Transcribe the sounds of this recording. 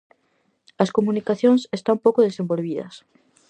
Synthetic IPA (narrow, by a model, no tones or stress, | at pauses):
ɐskomunikaθjõŋsest̪ampowkoð̞esembolβ̞iðɐ̰s